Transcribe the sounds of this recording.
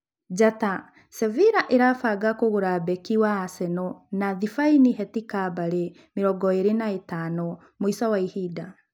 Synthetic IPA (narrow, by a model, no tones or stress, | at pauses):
d͡ʑata | sɛviɾaʔeɾaːfaːɡakoɣoɾaːbɛkiwaːsɛnɔnaðifainiɦɛtikabaɾe | meɾɔɡɔeɾenaetanɔ | moisawaihiːda